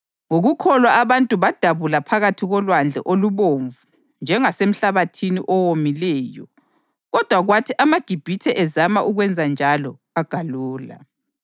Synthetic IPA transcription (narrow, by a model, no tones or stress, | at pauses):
ŋoɣukʰɔlwaaβantʼuβad̥ʱaβulapʰaɣatʰiɣɔlwand͡ɮʱɛ̰ʔoluβoɱvu | nd͡ʒʱɛŋasem̩ɬaβatʰinḭʔɔwomilɛːjɔ̰ | ɣɔd̥ʱwaɣwatʰiʔamaɡ̥ʱib̥ʱitʰɛʔɛzamaʔuɣwɛnd͡zʱand͡ʒʱalɔ | aɡ̥ʱaluːla̰